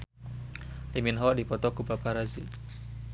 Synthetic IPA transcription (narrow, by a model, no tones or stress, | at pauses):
liminɦɔʔdipɔt̪ɔkupapaɾazi